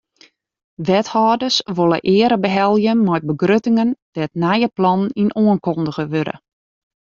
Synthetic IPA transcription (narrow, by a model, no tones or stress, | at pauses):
ʋɛthɔːdəsʋolˠə̰ʔɪːəɾəbəɦɛlˠjəmɔjt̚bəɡrøtɪŋənd̥ɛtnajəplɑnninʔoənkɔndəɣəʋøɾə̰